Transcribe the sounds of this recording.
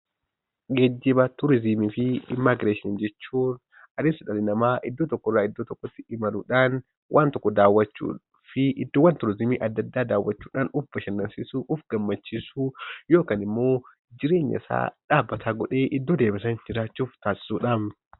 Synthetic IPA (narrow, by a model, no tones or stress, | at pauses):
ɡɛd͡ʒːɪbɐt̪ʊɾɪzɪmifɪɪmːaːɡɪɾeːʃɪɐnd͡ʒɛt͡ʃːuːn | ɐd̪eːnsɐᶑɐlɪnɐmaːʔɪd̪ːoːt̪ɔkːɔrːaːɪd̪ːoːt̪ɔkːɔt̪ːɪɪmɐluːᶑaːn | wʔaːnt̪ɔkːɔd̪aːwɐt͡ʃːṵː | fɪʔɪd̪ːoːwɐnt̪ʊɾɪzɪmḭːʔɐd̪ːɐd̪ːaːd̪aːwːɐt͡ʃːuːᶑaːnʊbːɐʃɐnːɐnsɪsuːʔʊfɡɐmːɐt͡ʃːisuːjo̞ːkaːnɪmːo̞ː | d͡ʒɪɾe̞ːɲːɐ̰ɪsa̰ːᶑaːbːɐt̪ʰaːɡɔᶑe̞ːʔɪd̪ːoːd̪eːbɪsɐnd͡ʒɪɾaːt͡ʃːuːft̪aːsɪ̥suːᶑan